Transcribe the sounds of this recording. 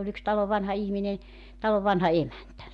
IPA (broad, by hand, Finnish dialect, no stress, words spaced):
olʲ yks tɑloʋ ʋɑnhɑ ihminen̞ tɑloʋ ʋɑnhɑ emæntæ